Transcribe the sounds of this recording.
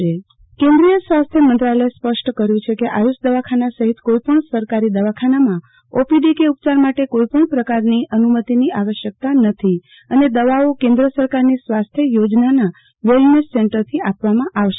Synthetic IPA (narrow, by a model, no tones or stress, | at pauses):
e | kẽnd̪ɾijəsʋast̪ʰjəmənt̪ɾaləespəʃʈkəɾjũt͡ʃʰekeʔajusd̪əʋakʰanasəɦit̪koipəɳsəɾkaɾid̪əʋakʰanamã | opiɖikeup̚t͡ʃaɾmaʈekoipəɳpɾəkaɾniənumət̪iniaʋəʃjək̚t̪anət̪ʰi | əned̪əʋaokẽnd̪ɾəsəɾkaɾnisʋast̪ʰjəjod͡ʒnana | ʋelnesːeɳʈəɾt̪ʰiapʋamãʔaʋʃe